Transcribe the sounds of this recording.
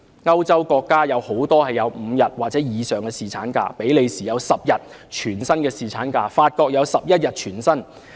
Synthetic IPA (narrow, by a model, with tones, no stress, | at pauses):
ŋɐ˥wt͡sɐ˥wkɔː˧kːaː˥jɐ˨˧who˨˥wt̪ɔː˥hɐ˨jːɐ˨˧wm̩ː˨˧jɐ˨t̚waː˨˩t͡sɛː˨˥jiː˨˧sœː˨ŋkɛː˧siː˨t͡sʰa̰ː˨˥nka̰ː˧pe˨˥jle˨˧jsiː˨jɐ˨˧wsɐ˨p̚jɐ˨t̚ | t͡ʃʰyː˨˩nsɐ˥nkɛː˧siː˨t͡sʰaː˨˥nkaː˧faː˧t̚kɔː˧k̚jɐ˨˧wsɐ˨p̚jɐ˥t̚jɐ˨t̚t͡ʃʰyː˨˩nsɐ˥n